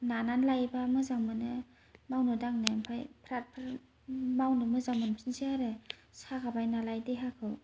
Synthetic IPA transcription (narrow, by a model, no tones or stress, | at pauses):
nananlajbamɯzaŋmɯnɯ | mawnɯdaŋnepʰajpʰɾat̚pʰɾ | mawnɯmɯzaŋmɯnpʰinsiaɾesakʰabajnalajdeɦakʰɯw